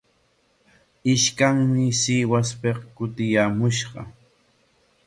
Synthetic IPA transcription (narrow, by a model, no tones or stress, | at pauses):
ɪʃkaŋmɪsɪwaspeqkʊt̪ɪjaːmʊʃɢɑ̰